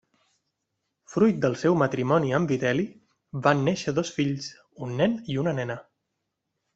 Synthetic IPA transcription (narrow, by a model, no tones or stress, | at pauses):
fɾujt̪̚d̪əlˠsɛwmət̪ɾimɔniəmbit̪ɛli | banːeʃəðosfiʎs | unːɛniunənɛnə